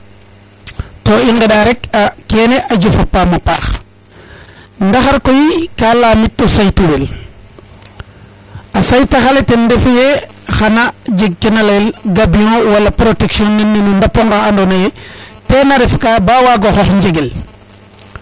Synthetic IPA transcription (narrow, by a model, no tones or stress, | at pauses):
toiŋɡeɗaɾɛkakeneʔaɟufapːamapa̰x | ndaxaɾkojikalaːmitːɔsajtuwel | asajtaxaletendefje | xanad͡ʒeɡ̚kenalelɡabiõwalapɾoteksiɔnːɛnːenundapoŋɡaːndonajetenaɾɛfkabawaɡoxɔxɲd͡ʒeɡel